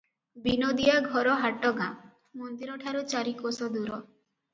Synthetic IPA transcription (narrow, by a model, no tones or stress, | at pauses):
binod̪iaɡʱɔɾɔɦaʈɔɡã | mɔnd̪iɾɔʈʰaɾut͡ʃaɾikosɔd̪uɾɔ